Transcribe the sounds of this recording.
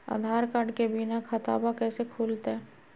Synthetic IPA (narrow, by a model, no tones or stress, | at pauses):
a̰d̪ʱaːɾkaɖkebinakʰɐt̪a̰ːbakɛːsekʰuːlt̪ɛː